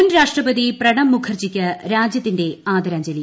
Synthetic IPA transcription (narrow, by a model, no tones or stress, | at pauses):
unɾaːʂʈrɐbɐðiprɐɽɐmːukʰɐrt͡ɕikʲːɐɾaːd͡ʑjɐt̪ːinde̞aːd̪ɐɾaːɲd͡ʑɐli